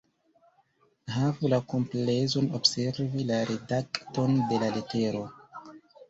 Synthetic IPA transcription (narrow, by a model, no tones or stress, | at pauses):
ɦavulakomplezo̞nobse̞ɾvilaɾʔedakto̞nde̞lalete̞ɾo̞